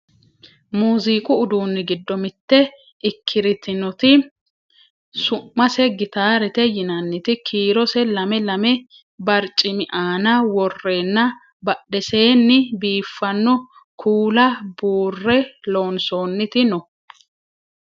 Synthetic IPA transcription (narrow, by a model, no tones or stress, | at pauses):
muːziːkʼʊːd̪uːnːɪɡɪd̪ːɔmɪt̪ːɛ | ʔɪkʰːɪɾɪt̪ɪnɔt̪ɪ | sʊmːɐsɛɡɪt̪aːɾɛt̪ɛjɪnɐnːɪt̪ɪkʰiːɾɔsɛlɐmɛlɐmɛ | bɐɾt͡ʃʼːɪmɪʔaːnɐwɔrːe̞ːnːɐ | bɐɗɛse̞ːnːɪbiːfːɐnːɔ | kʰuːlɐbuːrːɛlo̞ːnsoːnːɪt̪ɪnɔ